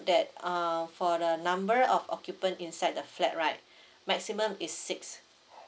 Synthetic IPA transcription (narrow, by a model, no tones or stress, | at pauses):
dɛt̚ãfɔdənãmbəɹɔfɔ̰kjupə̃ntĩnsajd̚dəflɛt̚ɹaɪt̚ | mɛk̚simə̃misːiks